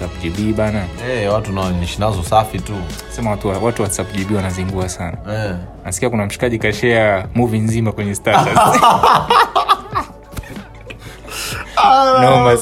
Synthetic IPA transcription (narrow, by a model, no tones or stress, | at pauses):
sapuʄiɓiːɓanaɛwatunaniʃinazɔsafitu | sɛmawatuawatuwasapuʄiɓiwanaziŋɡuasanaɛ | nasi̥kiakunam̩ʃi̥kaʄikaʃɛamuvinzimakwɛɲɛstatas | nɔma